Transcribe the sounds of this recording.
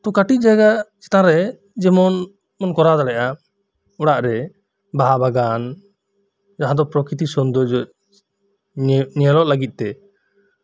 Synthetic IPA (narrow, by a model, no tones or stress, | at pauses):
t̪ukaʈit̪̚ˀd͡ʒaɡaʔt͡ʃɛ̥t̪ãɾɛ | d͡ʒɛmɔn | mɔnkɔɾad̪aɽɛʔa | ɔɽaʔɾɛ | baɦabaɡan | d͡ʒaɦãd̪ɔpɾɔkɾit̪isɔnd̪ɔd͡ʒɔʔ̚ | ɲialɔʔlaɡit̪̚ˀt̪ɛ